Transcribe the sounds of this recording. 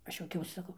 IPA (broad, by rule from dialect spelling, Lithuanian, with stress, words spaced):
ˈɐʃ juɔˈkʲɛʊsʲɪ sɐˈkɐʊ